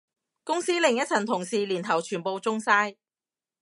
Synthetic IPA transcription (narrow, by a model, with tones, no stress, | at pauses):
kʊ˥ŋsiː˥lɪ˨ŋjɐ˥t̚t͡sʰɐ˨˩nt̪ʰʊ˨˩ŋsiː˨liː˨˩nt̪ʰɐ˨˩wt͡ʃʰyː˨˩npo˧wt͡sʊ˥ŋsaː˥j